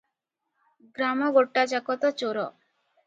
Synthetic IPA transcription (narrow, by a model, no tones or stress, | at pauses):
ɡɾamɔɡoʈːad͡ʒakɔt̪ɔt͡ʃoɾɔ